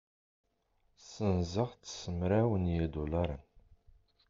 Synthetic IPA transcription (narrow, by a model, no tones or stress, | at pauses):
sənzəʁt͡sːsəmɾæwənjid̪ulaɾˤə̰n